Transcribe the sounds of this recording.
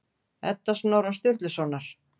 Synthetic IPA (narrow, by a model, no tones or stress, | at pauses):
ɛ̰t̪ːasnawɾast̪jʏɾt̪lɪsɔnaɾ̥